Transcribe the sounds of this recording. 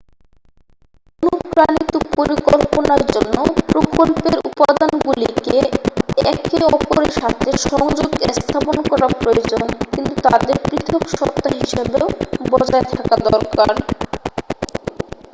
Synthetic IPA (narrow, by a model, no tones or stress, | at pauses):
onukɾanit̪opoɾikolponaɾd͡ʑonːopɾokolpeɾupad̪anɡulikeɛkeɔpoɾeɾʃat̪ʰeʃɔŋd͡ʑoɡest̪ʰaponkɔɾapɾojod͡ʑonkint̪ut̪ad̪eɾkɾit̪ʰokʃɔ̰pt̪ːaɦiʃebeobɔd͡ʑaet̪ʰakad̪ɔɾkaɾ